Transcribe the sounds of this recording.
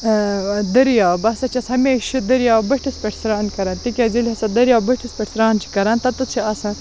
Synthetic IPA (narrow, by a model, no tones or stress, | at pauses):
d̪ɨɾjaːwbɐsɐt͡ʃɐshɐmeːʃud̪ɨɾijaːbɨʈispɐʈsɾaːnkɐɾɐnt̪ikʲazilihɐsɐd̪ɐɾjaːwbɨʈʰispeʈsɾaːnt͡ʃʰi̥kɐɾɐnt̪ɐt̪ut͡ʃʰiasã